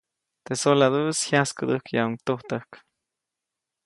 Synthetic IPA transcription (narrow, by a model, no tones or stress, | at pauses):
t̪esolad̪ushjaskɨd̪ɨhkjauŋt̪oht̪əhk